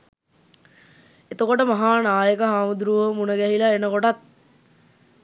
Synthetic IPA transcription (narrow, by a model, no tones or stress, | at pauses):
et̪əkoʈəmaɦaːnaːjəkəɦaːmud̪ɾuʋəmunəɡæɦilaenəkoʈat̪̚